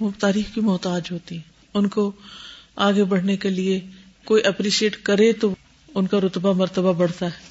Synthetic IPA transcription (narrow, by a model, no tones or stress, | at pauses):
ʋot̪aːɾiːxkimʊːt̪aːd͡ʒɦoːt̪iɦɛ̃ː | ʊnko | aːɡebɐɽ̤nekelie | koːiʔɛpɾiːsieːʈkɐɾet̪o | ʊnkaɾʊt̪bamɐɾt̪əbabɐɽ̤t̪aɦɛː